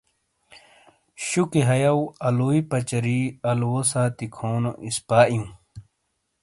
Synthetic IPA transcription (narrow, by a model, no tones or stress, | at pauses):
ɕukiɦɐjɐwɐluːipɐt͡ɕɐɾiːɐlwosaːt̪ikʰoːno̰ʔispaːʔjũ